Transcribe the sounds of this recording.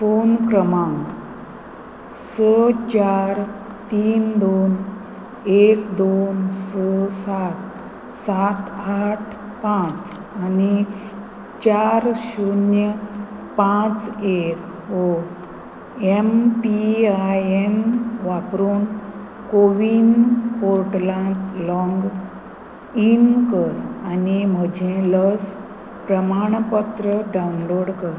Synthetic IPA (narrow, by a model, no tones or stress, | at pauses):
fonkɾəmãŋɡ | sət͡ɕaɾ | t̪iːnd̪on | ekd̪onsəsat̪ | sat̪aʈʰ | pãt͡s | ani | t͡ɕaɾɕunjəpãt͡sek | o | empiajenʋapɾuːn | koʋinpoɾʈlãt̪lɔ̃ŋɡ | inkəɾanim̤əd͡ʑẽləs | pɾəmaɳ̃pət̪ɾəɖawnloɽkəɾ